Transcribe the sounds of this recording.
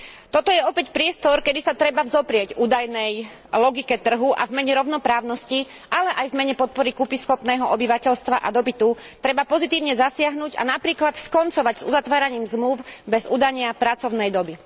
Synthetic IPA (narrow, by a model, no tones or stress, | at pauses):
t̪ɔt̪ɔjɛɔpɛcpɾɪɛst̪ɔɾkɛd̪isat̪ɾɛbavzɔpɾɪɛɟuːd̪ajnɛj | lɔɡikɛt̪r̩ɦuʔa̰vmɛɲɛɾɔʊnɔpɾaːʊnɔsci | ʔalɛʔajvmɛɲɛpɔt̪̚pɔɾikupisxɔpnɛːɦɔʔɔbiʋacɛʎst̪ʋaʔa̰d̪ɔpit̪ut̪ɾɛbapɔzit̪iːʊɲɛzasɪaɦnuːɟa̰napɾiːklat̪skɔnt͡sɔʋaɟz̥uzat̪ʋaːɾaɲiːmzmluʊbɛzuːd̪aɲɪapɾat͡sɔʊnɛjd̪ɔbi